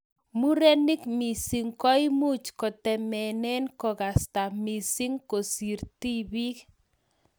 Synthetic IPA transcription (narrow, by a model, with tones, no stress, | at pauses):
mu˦ɾe˦ni˦kmi˨si˨ŋkɔ˦i˦mu˦˨t͡ʃkɔ˨tɛ˨mɛ˨nɛ˦nkɔ˨ɣa˨sta˨mi˨si˦ŋko˨si˨ɾti˦bi˦k